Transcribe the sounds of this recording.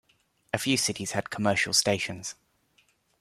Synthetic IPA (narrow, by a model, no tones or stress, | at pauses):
əfjʉːsɪtʰɪz̥əd̥̚kʰəmɜˑʃə̰lˠsteɪʃə̃nz̥